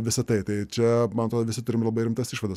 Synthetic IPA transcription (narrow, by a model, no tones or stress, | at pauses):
ʋʲɪsɐt̪ɐɪt̪ɐɪt͡ʃʲɛmɐnot̪ɾoːd̪ːʋʲɪsʲɪt̪ʊɾʲɪmlˠɐbɐɪɾʲɪmt̪ɐsiʃʋɐd̪ɐs